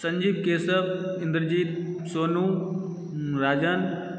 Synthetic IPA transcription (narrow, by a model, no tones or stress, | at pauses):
sɐ̃ɲd͡ʒiːb̚keːsəbɪ̃nd̪əɾd͡ʑiːt̪soːnũː | ɾaːd͡ʑan